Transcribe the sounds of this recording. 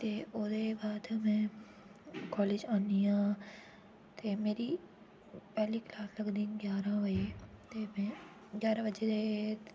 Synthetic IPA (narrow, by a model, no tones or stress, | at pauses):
t̪eoːd̪ebaːd̪mɛ̃ | kɔːleːd͡ʒaːniã | t̪emeːɾi | pɛɦliklaːslɐɡd̪ĩɡjaːɾãʋɐd͡ʒet̪emɛ̃ | ɡjaːɾaʋɐd͡ʒed̪e